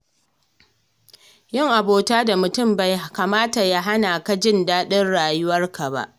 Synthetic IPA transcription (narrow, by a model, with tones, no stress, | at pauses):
jɪ˦˨ŋʔa˨boː˨taː˦da˨mʊ˨tʊ˦˨mba˨jkaː˨maː˦ta˨ja˦ɦa˦naː˨ka˦d͡ʒɪ˦˨ndaː˦ɗɪ˦nɽaː˨jʊ˦wɐ˦rka˨ba̰˦ʔ